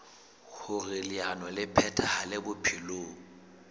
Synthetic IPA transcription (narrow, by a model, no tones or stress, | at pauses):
hʊrɪlɪanɔlɪpʰɛtʰahalɪbʊpʰiloːŋ̩